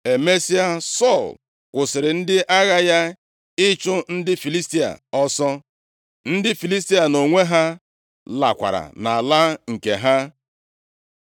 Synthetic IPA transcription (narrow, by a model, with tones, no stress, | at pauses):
e˨me˦si˦a˦sɔ˦˨l | kʷʊ˨sɪ˨ɾɪ˨n̩˦dɪ˦ʔa˦ɣa˦ja˦ | ɪ˦t͡ʃʊ˦n̩˦dɪ˦fi˨li˦sti˦a̰˨ɔ˦sɔ˦ | n̩˦dɪ˦fi˨li˦s̬ti˦a˨no˨ŋʷe˦ɦa˦ | la̰˨kʷa̰˨ɾa̰˨na˨a˨la˦ŋ̩˨ke˨ɦa˦